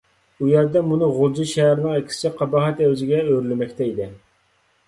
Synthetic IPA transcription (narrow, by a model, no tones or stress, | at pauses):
ujɛɾd̪ɛmunɨʁʊlˠd͡ʒiʃɛɦæɾɪnɨŋɛkʲʰi̥sɪqʰɑbɑʁɛt̪æwzɪɡʲɛøɾylɪmɛkʲt̪ʰɛid̪ɪ